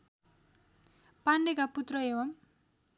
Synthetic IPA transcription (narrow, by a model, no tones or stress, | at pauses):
panːekaput̪rʌewʌm